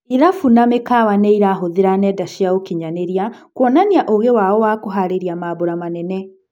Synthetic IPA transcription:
iɾafunamekawanɛiɾaɦoðeɾanɛdaʃiaokiɲaneɾiakwɔnaniaʔoɣewaɔwakoɦaɾeɾiamaβoɾamanɛnɛ

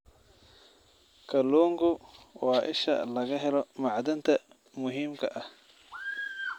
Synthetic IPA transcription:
kʰɐluːŋɡʊwɑːʔɪ̰ʃɐ̰lɐɣɐɦɛlɔmɑʕd̪ɐnt̪ʰɐ | mʊɦiːmkʰɐʔɐh

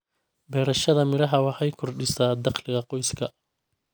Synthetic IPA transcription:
bɛːɾɐʃɐðɐmɪɾɐɦɐwɑħɑjkʰʊrɖɪsaːd̪ɑχlɪɣɐqɔjskʰɐ

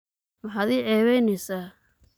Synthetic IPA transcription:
mɑħaːd̪iːʕɛːβɛjnɛsaː

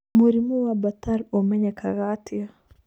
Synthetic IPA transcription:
muɾimuwabataɾomɛɲakaɣatia

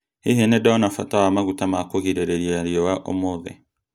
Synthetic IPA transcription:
hiɦenedaɔnafatawamaɣutamakoɣiɾeɾeɾiɾiɔwaʔo̰moðɛ̰

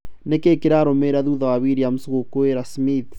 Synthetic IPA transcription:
nekekeɾaɾomeɾaðuðawaβiɾiamusoɣokoeɾasmiθ

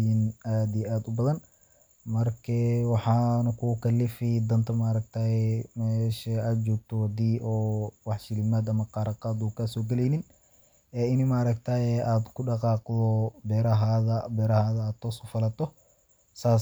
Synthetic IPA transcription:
inaːd̪ijɛʔaːd̪ʊbɐðɐn | mɐrkʰɛwɑħɑːnɐkʰʊkʰɐlːɪfid̪ɐnt̪ʰɐmaɾɐk̚t̪ʰaːɛmɛːʃɐaːd̪̚t͡ʃɔːɡ̚t̪ʰɔwɑd̪iːʔɔːwɑħʃɪlɪmaːd̪ɐmɐqɑːɾɑqɑːd̪uːkʰɐsɔːɡɛlɛjnɪn | ɛːɪnɪmaɾɐkt̪ʰaːjɛaːd̪kʰʊɖɑqɑːqd̪ɔbɛːɾɐɦaðɐbɛːɾɐhaːðɐaːd̪t̪ʰːɔːsʊfɐlɐt̪ʰɔ | saː

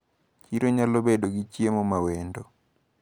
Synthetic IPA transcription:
t͡ʃiɾoɲalobedoɡit͡ʃjemomawendo

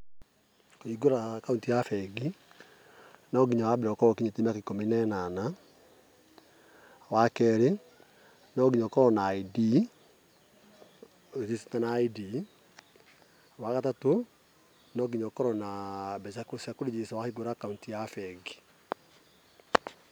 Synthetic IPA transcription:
koiɡoɾakauntijafɛɡi | nɔɡiɲawabeɾɔkɔɾɔkiɲetimakekominɛnana | wakɛɾe | nɔɡiɲɔkɔɾɔnaidi | sise̥tanaidi | wakatato | nɔɡiɲɔkɔɾɔnabɛsakosakoɾed͡ʒesawahiɡoɾakauntijafɛɡi̥

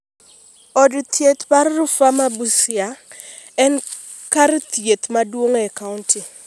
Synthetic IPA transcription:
ɔdut̪jet̪paɾrʊfamabusɪa | ɛn | kaɾt̪jet̪madwoŋɛkaʊntɪ

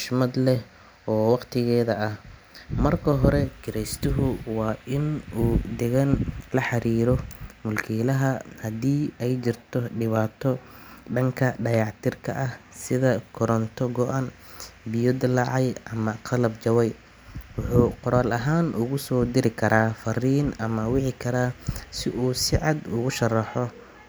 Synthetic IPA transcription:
ʃmɐd̪lɛ | ɔːwɑqt̪ʰɪɣɛːðɐʔɐh | mɐrkʰɐɦɔɾɛɡɪɾɛjst̪ʰɪɦʊwɑːʔɪnuːd̪ɛɣɐnlɐħɑɾiːɾɔmʊlkʰiːlɐɦɐhɐd̪iːɛjt͡ʃɪrt̪ʰɔɖɪβaːt̪ʰɔ | ɖɐŋkʰɐɖɐjɑʕt̪ʰɪrkʰɐʔɐhsɪðɐkʰɔɾɔnt̪ʰɔɡɔʔan | bɪjɔd̪ɪlɑʕɑjʔɐmɐqʰɑlɐbt͡ʃɐwɛj | wʊħuːqɔɾaːlɐɦaːnʔʊɣʊsɔːd̪ɪɾɪkʰɐɾaːfɐriːnɐmɐwɑʕɪkʰɐɾaːsɪʔuːsɪʕɑd̪ʊɣʊʃɐrɑħɔ

